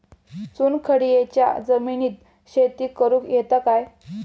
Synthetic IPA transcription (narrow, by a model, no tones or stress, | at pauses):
t͡suːnkʰəɽijet͡ɕja̰d͡zəminiːt̪̚ | ɕet̪iːkəɾũːkjet̪akaj